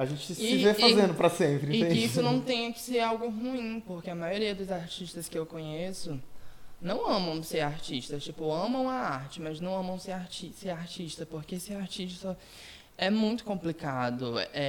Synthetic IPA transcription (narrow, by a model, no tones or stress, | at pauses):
aʒẽnt͡ʃɪsɪvefazẽnd̪ʊpɾɐsẽmpɾɪɪt̪ẽisʊnɐ̃w̃t̪ẽj̃ɐkɪ̥seɾawɡʊɦuĩpoɾkeɐmajoɾiɐd̪ʊzaɾt͡ʃiʃt̪ɐskɪewkõɲesʊnɐ̃w̃ɐ̃mɐ̃w̃seɾaɾt͡ʃiʃt̪ɐt͡ʃipʊɐ̃mɐ̃w̃ɐaɾt͡ʃɪmɐznɐ̃w̃ɐ̃mɐ̃w̃seɾaɾt͡ʃiseɾaɾt͡ʃiʃt̪ɐpoɾkeesɪaɾt͡ʃiʃt̪ɐ̥sɔ | ɛmũj̃t̪ʊ̥kõmplikad̪ʊɛ